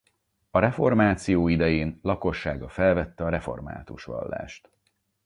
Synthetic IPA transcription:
ɒɾɛfo̞rmaːt̪sijoːid̪ɛjeːnlɒko̞ʃːaːɡɒfɛlvɛt̪ːɛɒɾɛfo̞̰rma̰ːt̪uʃʋɒ̰lːa̰ːʃt̪

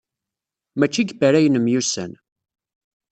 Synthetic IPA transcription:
mæt͡ʃːiɡbæɾæjənəmjusæ̰n

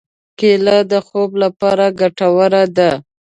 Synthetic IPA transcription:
kelad̪əxoblapɑɾaɡaʈawəɾad̪a

